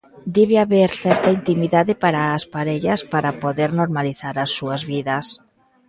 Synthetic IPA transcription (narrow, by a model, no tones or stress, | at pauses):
d̪eβeaβeɾθɛɾt̪aint̪imiðaðepaɾaːspaɾeʎaspaɾapoðeɾnoɾmaliθaɾasːuazβiðas